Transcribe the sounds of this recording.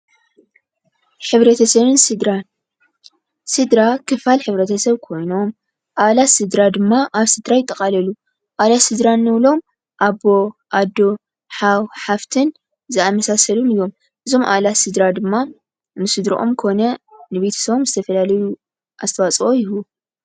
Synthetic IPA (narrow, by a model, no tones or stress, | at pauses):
ħɨβɾɐt̪ʰɐsɐβɨnɾan | sɨd̪ɾakʰɨfalħɨβɾɐt̪ʰɐsɐβkʰo̞jno̞m | ʔaβlat̪sɨd̪ɾad̪ɨmːaʔaβsɨd̪ɾajɪt̪ʼːɐkʼalɐlu | ʔalat̪sɨd̪ɾanːɨβlo̞m | ʔabo̞ʔad̪o̞ | ħawħaft̪ʰɨn | zɨamɐsasɐlumɨjːo̞m | ʔɨzo̞mʔa̰βlatsɨd̪ɾad̪ɨmːa | nɨsɨd̪ɾḭʔo̞̰mkʰo̞nɐnɨβe̞t̪ʰɐ̥sɐβomzɨt̪ʰɐfɐlalɐju | ʔast̪ʰɐwat͡sʼʔojɪhu